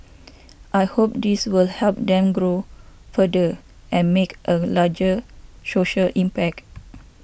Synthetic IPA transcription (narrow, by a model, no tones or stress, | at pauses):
ʔajhop̚diswilhɛlp̚dɛ̃mɡɹofədə | ʔɛ̃nmekʔəlad͡ʒəsoʃəlʔĩmpɛk̚t